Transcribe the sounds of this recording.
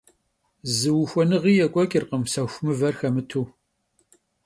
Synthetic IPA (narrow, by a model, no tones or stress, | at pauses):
zɨwxʷɔnɨʁiːjɛkʷʼɔkʼɪrqəmsɐxʷmɨvɐrxɐmɨtʰuː